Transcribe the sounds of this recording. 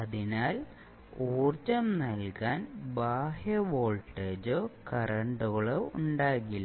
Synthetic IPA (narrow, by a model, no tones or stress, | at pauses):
ɐðinaːl | oːrt͡ɕɐmnɐlkaːnbaːhjɐʋoːɭʈːeːd͡ʑokɐrɐɳɖuɣɐɭouɳɖaːɣilː